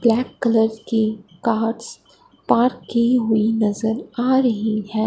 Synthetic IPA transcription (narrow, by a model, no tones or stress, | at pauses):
b̥lɛːkːɐləɾdkikaːɾɖs | paːɾkːiɦʊinɐzəɾaːɾɐɦiɦɛ̃ː